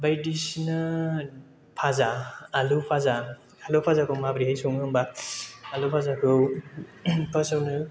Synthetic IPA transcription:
bajdisna | pʰazaːlupʰaza | alopʰazakʰɯwmabɾihajsuŋhɯmbaː | lupʰazakʰɯw | pʰasawnɯ

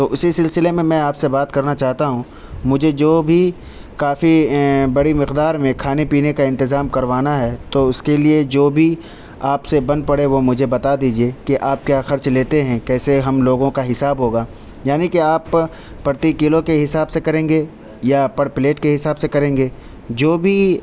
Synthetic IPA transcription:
t̪oːʔʊsisɪlsɪlemẽmɛ̃aːpsebaːt̪kɐɾnat͡ʃaːɦt̪aɦũ | mʊd͡ʒʱed͡ʒoːbʱi | kaːfibɐɽimɪqd̪aːɾmẽkʰaːnepiːnekaɪ̃nt̪ɪzaːmkɐɾʋaːnaɦɛt̪oʊskelied͡ʒoːbʱi | aːpsebɐ̃nd̪̚pɐɽeʋomʊd͡ʒʱebɐt̪ad̪iːd͡ʒiekiʔaːp̚kjaːxɐɾt͡ʃleːt̪eɦɛ̃kɛːseɦɐmloːɡõkaɦɪsaːbɦoːɡaː | jaːnikiaːpː | ɐɾt̪ikɪlõkeɦɪsaːbsekɐɾẽːŋɡe | japɐɽpleːʈkeɦɪsaːbsekɐɾẽːŋɡeː | d͡ʒoːbʱi

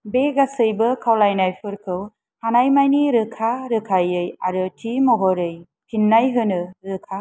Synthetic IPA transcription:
beɡasɯjbɯkʰawlajnajpʰɯɾkʰɯw | hanajmajniɾɯkʰaɾɯkʰajɯjaɾɯtʰimɔɦɔɾɯj | pʰinːajɦɯnɯɾɯkʰa

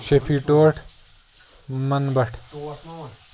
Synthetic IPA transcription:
ɕepʰiʈoːʈʰ | mɐnbɐʈʰ

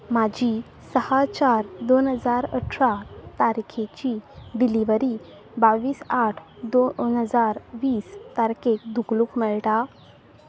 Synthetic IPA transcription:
mad͡ʑʱi | səhat͡ɕaɾd̪onɦəd͡zaɾə̰ʈʰɾat̪aɾikʰet͡ɕid̪iliʋəɾi | baʋiːsaʈʰd̪onɦəd͡zaɾʋiːst̪aɾkekd̪ʱukluːkmɛɭʈa

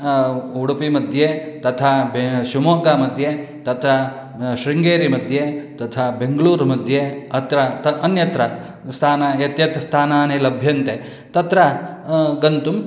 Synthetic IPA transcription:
uɽupimɐd̪ʱjet̪ɐt̪ʰaːbeʃimoːkaːmɐd̪ʱjeːt̪ɐt̪ɾɐ | ʃɾiŋɡeːɾimɐd̪ʱjet̪ɐt̪ʰaːbeŋɡɐɭuːɾmɐd̪ʱjeɐt̪ɾɐt̪ɐnjɐt̪ɾɐ | st̪ʰaːnaet̪jɐt̪ɐst̪ʰaːnaːneːlɐbʱjɐnt̪e | t̪ɐt̪ɾɐ | ɡɐnt̪um

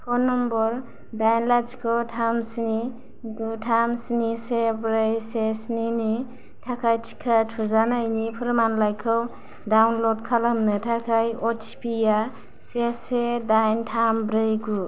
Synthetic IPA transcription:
pʰɔnɔmbɔɾ | dajnlat͡ʃkʰɔwtʰamsni | ɡutʰamsnisebɾejsesnini | tʰakʰajtʰi̥kʰatʰuzanajnipʰɯɾmanlajkʰɯw | dawnlɔd̚kʰalamnɯtʰakʰajɔtʰi̥pʰija | sesedajntʰambɾɯjɡu

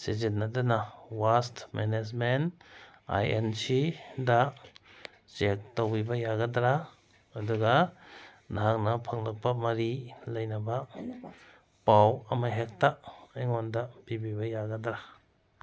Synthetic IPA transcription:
sed͡ʒinːɐdɐnɐwastmened͡ʒmen | a̰jḛnsida | t͡ʃek̚towbibɐjaɡɐdɾa | ɐduɡɐ | naɦaŋnɐpʰɐŋlɐk̚pɐmɐɾilɐjnɐbɐ | pawɐmaɦek̚taeŋondɐb̥ibibɐjaɡɐdɾa

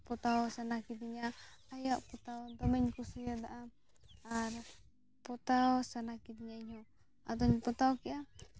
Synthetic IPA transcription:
pɔt̪aɔsanakit̪iɲaajaʔput̪aɔd̪ɔmɛɲkusujad̪aʔa | aɾ | pɔt̪aɔsanakit̪ɲaiɲɔ | a̰d̪ɔɲpɔt̪aɔkiʔa

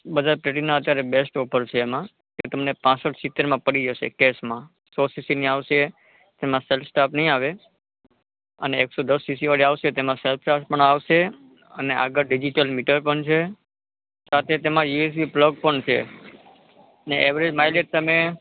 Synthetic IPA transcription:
bəd̪ʱaɾpleʈinːaət̪jaɾebesʈɔpʰəɾt͡ʃʰeːmã | keet̪əmnepãsəʈʰsit̪ːeɾmãpəɽid͡ʒəʃḛkesmã | sɔsisiniaʋʃe | t̪emãselfsʈapnəɦĩaʋe | ə̰neːksod̪əsːisiʋaɽiaʋʃet̪emãselpʰʈaspəɳaʋʃe | əneʔa̰ɡəɾɖid͡ʒiʈəlmiʈəɾpəɳt͡ʃʰe | sat̪ʰet̪emãjues̬ipləɡ̚pəɳt͡ʃʰḛ | əneʔeʋɾed͡ʒmajleʈ̚t̪əme

